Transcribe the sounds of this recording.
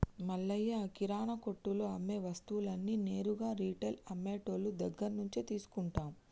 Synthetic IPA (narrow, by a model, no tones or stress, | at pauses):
mɐɭːɐjːɐkiɾaːɳɐko̞ʈːuloɐmːeːʋɐst̪uwulɐnːine̞ːɾuɡaːɾiːʈelɐmːeːʈoːlːud̪ɐɡːɐnnuɲt͡ʃit̪iːsu̥kuɳʈaːmu